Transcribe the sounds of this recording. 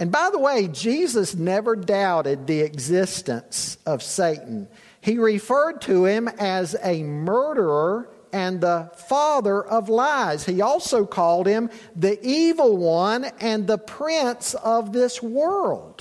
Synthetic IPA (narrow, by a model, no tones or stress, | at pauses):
ɨ̃nbaɪðəweɪd͡ʒizəsnɛvə˞daʊɾɪd̪̚ðiɨɡzɪstɨ̰̃nsʌv̥seɪʔn̩ | iɹɪfɜ˞d̚tʰɨɪ̃mɨzɨmɜ˞ɾə˞ə˞ | ɨ̃nðəfɑðə˞ʔʌvlaɪz̥hiɔlˠsoʊkʰɔlˠd̚ɪ̃mðiʔivl̩ˠwʌ̃nɨ̃nðəpʰɹ̥ɪ̃nsʌvðɪswɜ˞lˠd̥